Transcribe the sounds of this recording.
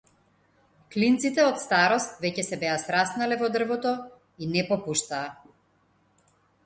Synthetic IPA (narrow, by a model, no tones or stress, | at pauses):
klint̪sit̪ɛɔt̪st̪aɾɔst̪vɛcɛsɛbɛasɾasnalɛvɔd̪r̩vɔt̪ɔ | inɛpɔpuʃt̪aː